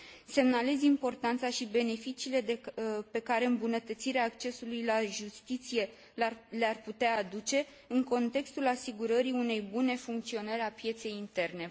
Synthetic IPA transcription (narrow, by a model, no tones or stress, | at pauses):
se̞mnalezimpo̞rt̪ant̪saʃibe̞ne̞fit͡ʃiːle̞d̪epe̞kaɾe̞ɨmbunət̪ət̪siɾeaːkt͡ʃe̞sulujlaʒust̪it̪sije̞ | learput̪eaːd̪ut͡ʃe̞ | ɨŋko̞nt̪e̞kst̪ulasiɡuɾəɾiune̞jbune̞fuŋk̚t̪sio̞nəɾʲapje̞t̪se̞jint̪e̞rne̞